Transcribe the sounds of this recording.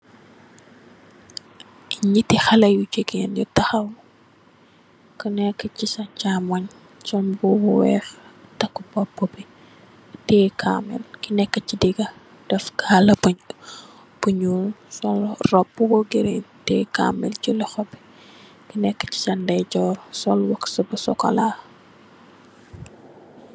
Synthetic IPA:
ɲitːixɐlɐjut͡ʃeɡenjutɐxɐw | kinɛkːəcisɐt͡ʃamɐɲ | sɔnbubɔwɛ̰ːxtɐkːubɔbːubi | tɛːkʰa̰mɛ̰lkinɛkːəcidiɡɐ | d̥ɛfkʰaːlɐbuɲ | b̥uɲuːlsɔlrɔbuwɔɡiɾentɛːka̰mɛ̰lcilɛxɔbi̥ | kinɛkːə̥ci̥sɐndɐjɟɔːɾsɔlwɐksɐbusɔ̰kɔ̰laː

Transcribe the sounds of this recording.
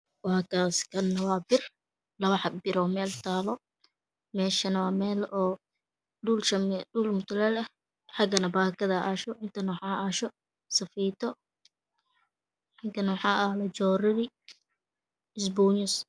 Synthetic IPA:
wɑːkʰaːskʰɐnːɐwaːbɪr | lɐβɐħɑbɪɾɔːmɛːlt̪ʰaːlɔ | mɛːʃɐnɐwɑːmɛːlɔː | ɖulʃɐɖuːlmʊt̪ʰʊlɐlɛ | ħɑɡɐnɐbaːkʰɐðɐʔaːʃɔʔɪnt̪ʰɐnɐwɑħɑːaːʃɔ | sɐfiːt̪ʰɔ | ħɑɡɐnɐwħɑːʔɐhlɐd͡ʒɔːɾɪɾɪ | ɪsbuːnʊs

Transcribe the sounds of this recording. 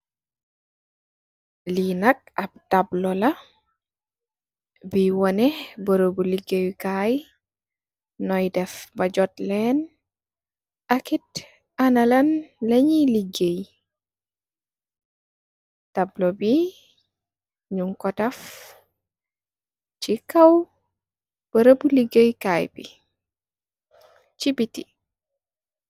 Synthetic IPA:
linak̚ab̚tablɔla | biwɔnɛbəɾobuliɡejkaj | nɔjdɛfbad͡ʒɔtlɛn | akit | analanlɐɲiliɡəj | tablobi | ɲuŋkɔtɐf | t͡ʃikɐw | b̥əɾəbuliɡəjkajbḭ | t͡ʃibiti

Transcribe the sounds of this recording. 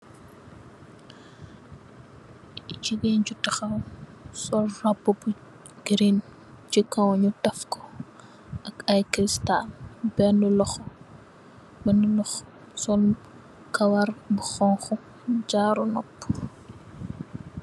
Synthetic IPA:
ciɡɛnɟutːɐxɐwsɔlrabːubu | ɡɾin | t͡ʃikawɲutɐfkɔ̥ | ʔɐkɐjkɾistalbɛnulɔx | bɛnulɔx | sɔl | kɐwɐrbuxɔŋxɔ | d͡ʒaːɾunɔpː

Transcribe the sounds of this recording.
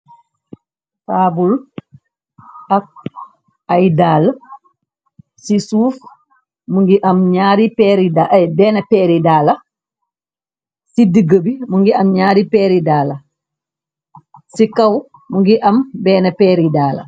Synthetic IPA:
faːbul | ɐk̚ | ɐjdaːl | sisuːf | muŋɡiʔɐmɲaːɾipɛːɾidabɛːnɐpɛːɾidaːlɐ | sidiɡəbimuŋɡiʔɐmɲaːɾipɛːɾidaːlɐ | sikɐw | muŋɡiʔɐmbɛːnɐpɛːɾidaːlɐ̰

